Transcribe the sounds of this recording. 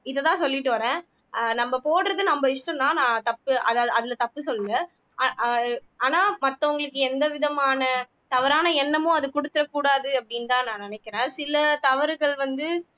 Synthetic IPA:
ɪðɐt̪ãːsɔlːɪʈːɯʋɐɾẽː | nɐmːɐpoːɽɾɐðɯnɐmbɐɪʂʈɐ̃nt̪ãːnãːt̪ɐpːɯʔɐðɐðɪlɐt̪ɐpːɯsɔlːɯŋɐ | aːnaːmɐt̪ːɐʊŋɡɐɭɯkːɯɛnd̪ɐʋɪðɐmaːnɐ | t̪ɐʋɐɾaːnɐɛnːɐmʊ̃ɐðɯkʊɽɯt̪ːɯɾɐkːuːɽaːðɯɐpːɐɽɪnt̪ãːnãːnɪnɛkːɐɾẽːsɪlɐt̪ɐʋɐɾɯɣɐɭʋɐnd̪ɯ

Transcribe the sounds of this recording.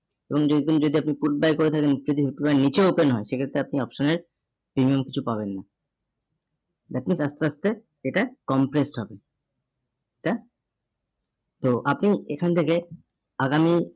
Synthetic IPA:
eboŋobend͡ʑod̪iapnipuʈ̚bajkoɾet̪ʰakend͡ʑod̪iɦuʈbanit͡ɕeupenɦɔeʃekʰet̪ːɾeapniɔpʃoneɾ | pɾimiomki̥t͡ɕʰupabenːa | d̪aapniʃast̪east̪e | eʈakɔmpɾesʈɦɔbe | ika | t̪oʔapniekʰanet̪ʰeke | aɡami

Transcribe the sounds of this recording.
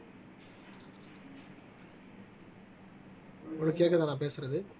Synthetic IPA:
ɔɽɯkːeːk̬ːɐðaːnãːp̬eːsɯɾɐðɯ

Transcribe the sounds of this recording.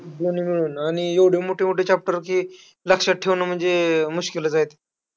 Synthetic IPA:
d̪onimiɭuːnaɽ̃ijeʋɽ̤jemoʈʰemoʈet͡ɕap̚ʈəɾkiː | ləkʂəʈ̚ʈʰːeʋnəm̤əɳd͡zemuɕkiləd͡zajt̪e

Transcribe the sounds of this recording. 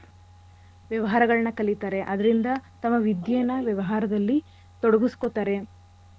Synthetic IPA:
ʋjɐʋɐɦaːɾɐɡɐɭɐnɐkɐlit̪aːɾe̞ʔɐd̪ɐɾind̪ɐt̪ɐmːɐʋid̪jejnɐʋjɐʋɐɦaːɾɐd̪ɐlːi | t̪ɔɽɐɡuskot̪aːɾe̞

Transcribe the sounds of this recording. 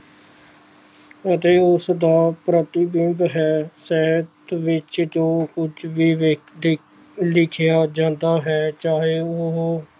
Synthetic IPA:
ət̪eːʊsd̪aːpɾət̪ɪbɪbɦɛːsɛːət̪ʋɪt͡ʃd͡ʒoːkʊt͡ʃʰʋiːʋd̪ | lɪkʰɪjaːd͡ʒãːnd̪aːɦɛːt͡ʃaːɦeːoɦ

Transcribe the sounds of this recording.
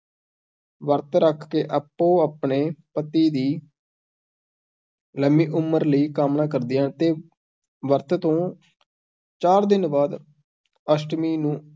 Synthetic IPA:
ʋəɾt̪ɾəkʰkeːʔəpːõːaːpɳeːpət̪iːd̪iː | ləmiːʔʊməɾləiːkaːmnãːkəɾd̪ɪjãːt̪eː | ʋəɾt̪t̪õː | t͡ʃaːɾd̪ɪnbaːd̪ | əsʈmiːnũː

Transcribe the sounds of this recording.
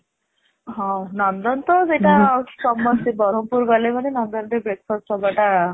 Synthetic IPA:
ɦɔ̃nɔnd̪ɔnt̪ɔd͡zeʈasɔmːɔt̪ibɔɾompuɾɡɔlemanenɔnd̪ɔnd̪ebɾek̚pʰɔsʈɔbaʈa

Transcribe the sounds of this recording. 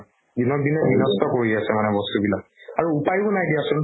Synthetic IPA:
dinɔk̚dinɛbinɔstɔkoɹiasɛmanɛbɔst̪ubilak̚aɹuupajkunajdijasʊn

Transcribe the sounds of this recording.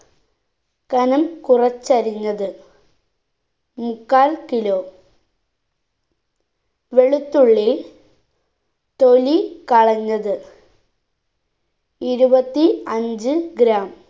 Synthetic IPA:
kɐnɐmkurɐt͡ɕːɐɾiɲːɐðɨ | mukːaːlkilo̞ː | ʋe̞ɭut̪ːuɭːe | t̪o̞likɐɭɐɲːɐðɨ | iɾubɐt̪ːiɐɲd͡ʑɨɡɾaːm

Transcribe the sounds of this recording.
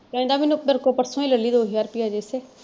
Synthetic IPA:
pɛ̃ːnd̪aːminupəɾkoːpəɾsõĩːləlːiːd̪oːɦijaːɾpiːad͡ʒeseː

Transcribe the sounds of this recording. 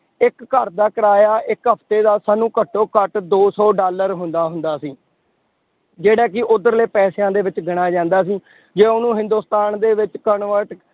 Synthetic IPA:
ɪkːəɾd̪aːkəɾaːjaːʔɪkɦəpʰt̪eːd̪aːsaːnũːkəʈʰːoːkəʈd̪oːsɔːɖaːləɾɦʊnd̪aːɦʊnd̪aːsiː | d͡ʒeːɽaːk̬ɪʔʊd̪əɾleːpɛːsejãːd̪eːʋɪt͡ʃɡɪɽ̃aːd͡ʒãːnd̪aːs̬iː | d͡ʒeːʊnũːɦɪ̃nd̪uːst̪aːnd̪eːʋɪt͡ʃkənʋəɾʈ

